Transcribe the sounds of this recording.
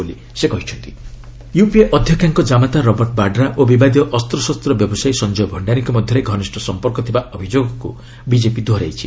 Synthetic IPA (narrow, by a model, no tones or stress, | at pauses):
boli | sekɔɦit͡ʃʰɔnt̪i̥ | jupieʔɔd̪ʱjɔkʰjaŋkɔd͡ʒamat̪aɾɔbɔɾʈ̚baɖɾaʔobibad̪iɔʔɔst̪ɾɔsɔst̪ɾɔbjɔbɔsajsɔnd͡ʒɔjbʱɔɳɖaniŋkɔmɔd̪ʱjɔɾeɡʱɔnisʈʰɔsɔmpɔɾkɔt̪ʰibaʔɔbʱid͡ʒoɡɔkṵ | bid͡ʒepid̪ʱwɔɾajt͡ʃʰi̥